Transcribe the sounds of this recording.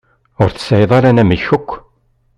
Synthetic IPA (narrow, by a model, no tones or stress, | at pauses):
ʊɾθə̥sæjðˤɑɾænæmiçʊkʷː